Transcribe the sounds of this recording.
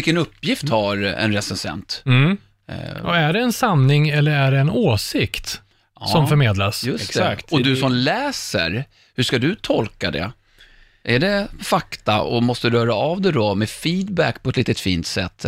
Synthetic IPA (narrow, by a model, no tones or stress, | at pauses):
ɪlkːənɵpːjɪft̪haɾɛ̰nɾɛsɛnsɛ̰nt̪ | æɖɛɛnsanːɪŋɛlːəɾæɖɛɛnoːsɪkt̪ | sɔmfœɾmeːd̪lasjɵsɛksɛakt̪ɔd̪ɵsɔmlɛːsə̰ɾ | hʉʂkad̪ɵt̪ʰɔlkad̪ɛ̰ | ʔæɖɛfakt̪a̰ɔ̰mɔst̪əɾɾœːɾaːvd̪ɛd̪ɔmɛfiːd̪bækːpʰɔɛt̪liːt̪ət̪fiːnt̪sɛt̪ː